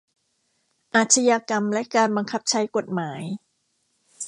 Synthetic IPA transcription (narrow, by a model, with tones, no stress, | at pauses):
ʔaː˨˩t̪̚t͡ɕʰa˧jaː˧ka˧mlɛ˦˥kaː˧nba˧ŋkʰa˦˥p̚t͡ɕʰa˦˥jko˨˩t̪̚maː˩˦j